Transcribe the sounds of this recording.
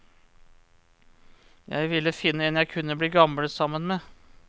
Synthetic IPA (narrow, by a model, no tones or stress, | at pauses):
jæ̰ɪʋɪlːəfɪnːəɛnjæɪkʰʉnːəbliːɡɑmɽəsɑmːənmeː